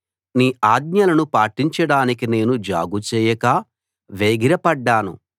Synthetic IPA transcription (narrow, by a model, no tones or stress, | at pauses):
niːaːd̪̚ɲɐlɐnupaːʈiɲt͡ʃɐɽaːnikine̞ːnud͡ʒa̰ːɡut͡ʃɛːjɐkɐ | ʋeːɡiɾɐpɐɖːaːnṵ